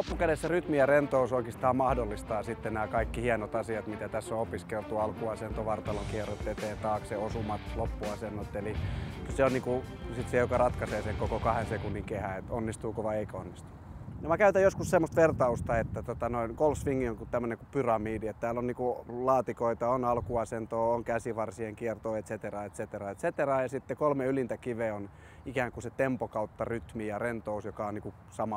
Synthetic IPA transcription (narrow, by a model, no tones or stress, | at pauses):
opːukæɾesːæryt̪miærent̪ousoikist̪ɑːmmɑhdolːist̪ɑːsit̪ːenæːkɑikːihienot̪ɑsiɑt̪mit̪æt̪æsːoopiskelt̪uɑlkuɑsent̪oʋɑrt̪ɑloŋkierot̪ːet̪eːnt̪ɑːkseosumɑt̪lopːuɑsenːot̪ːelikyseonniːkusit̪sejokɑrɑt̪kɑseːseŋkokokɑhensekunːiŋkehæet̪onːist̪uːkoʋɑeikæonːist̪u̥ | jɑmækæyt̪æjoskussemːost̪ʋert̪ɑust̪ɑet̪ːæt̪ot̪ɑnoinkolsʋiŋːioŋkut̪æmːøneŋkupyrɑmiːdiet̪t̪æːlːonniːkulɑːt̪ikoit̪ɑonɑlkuɑsent̪oːoŋkæsiʋɑrsieŋkiert̪oːet̪set̪erɑːet̪set̪erɑːet̪set̪erɑːjɑsit̪ːekolmeylint̪ækiʋeon | ikæːŋkuset̪empokɑut̪ːɑryt̪mijɑrent̪ousjokɑoniːku | sɑmɑ